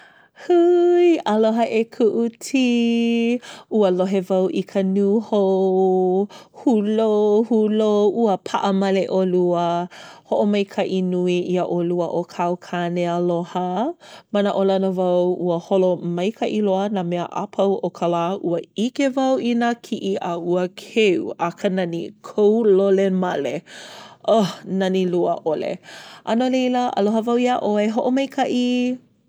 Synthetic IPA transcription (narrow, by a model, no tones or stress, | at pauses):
hujəloɦəʔekʰuʔutʰi | uəloɦevɐwʔikʰənuho | hulohuloʔuəpʰaʔəmɐleʔoluəhoʔomɐjkʰɐʔinuiʔiəʔoluəʔokʰawkʰaneəlohə | manəʔolɐnəvɐwuəholomɐjkʰɐʔiloənaːmeɐʔa̰pʰɐwʔokʰalaːʔuɐikevɐwinəkʰiʔiʔauəkʰeuakənɐnḭkʰowlolemɐleʔahnɐniluəʔolḛʔɐnolejləʔɐ̰loɦəvɐwiaʔoeɦoʔomɐjkʰɐʔi